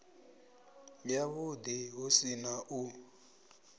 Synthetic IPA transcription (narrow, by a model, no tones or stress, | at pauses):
jjaβud̪iɦusinaʔu